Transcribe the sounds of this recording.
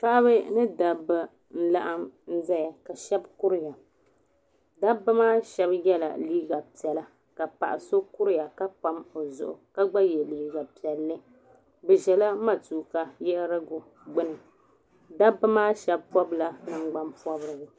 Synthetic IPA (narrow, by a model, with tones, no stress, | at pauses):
pa˦ʔa˦βɨ˦nɨ˦da˨bɨ˨ | n̩˦la˦ʔa˦mn̩˦za˦ja˨ka˨ʃɛ˦bkʊ˦ɾɪ˦ja˨ | da˦bːɨ˦maː˦ʃɛ˦bjɛ˦la̰˨liː˦ɡa˨pi˨ɛ˨la˨ | ka˨pa̰˨ʔa˨so˦kʊ˦ɾɪ˦ja˨ka˦pa˦mo˨zʊ̰˨ʔʊ̰˨ka˦ɡ͡ba˦jɛ˨liː˨˦ɡa˨pi˨ɛ˨lːɨ˦ | bɛ˨ʒɛ˨la˦ma˨tuː˨ka˨jɛ˦ɾa˦ɡʊ˨ | ɡ͡bɨ˦nɨ˨ | da˦bːɨ˦maː˦ʃɛ˦bpɔ˦bla˦nɨ˦ŋɡ͡ba˦mpɔ˦bɾɨ˨ɡa˨